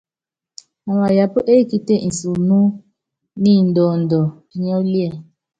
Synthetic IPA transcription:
wa˨ja˨po˦ʔe˦ki˦te˦n̩˨su˨nu˦ | ni˦˨n̩˨dɔ˨ndɔ˨ | i˦ɲɔ˦li˦ɛ˨

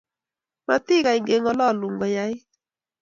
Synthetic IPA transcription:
ma˨t̪ɪ˦ka˨ɪ˨ŋɡe˨ŋɔ˦lɔ˦˨lu˨ŋɡɔ˨ja˨˦ɪ˦

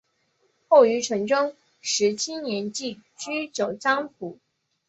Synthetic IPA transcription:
xo˥˩ʊy˧˥ʈ͡ʂʰɤ˧˥ŋʈ͡ʂɤ˥ŋ | ʂɻ̩˧˥t͡ɕʰi˥njɛ˧˥nt͡ɕi˥˩t͡ɕy˥t͡ɕjo˨˩ʊʈ͡ʂɑ˥ŋpʰu˨˩˦

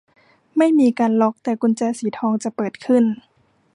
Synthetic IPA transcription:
ma˥˩jmiː˧kaː˧nlo˧˥k̚t̪ɛː˨˩ku˧nt͡ɕɛː˧siː˨˦t̪ʰɔː˧ŋt͡ɕa˨˩˦pɤː˨˩t̪̚kʰɯ˥˩n

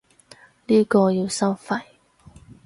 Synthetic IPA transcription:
liː˥kɔː˧jiː˧wsɐ˥wfɐ˧˥j

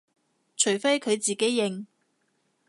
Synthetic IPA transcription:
t͡ʃʰɵ˨˩ɥfe˥jkʰɵ˨˧ɥt͡siː˨ke˨˥jːɪ˨ŋ

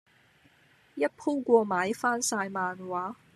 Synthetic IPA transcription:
jɐ˦˥t̚pʰu˥kʷɔː˧maː˨˥jfaː˥nsaː˧jmaː˧nwaː˨˥

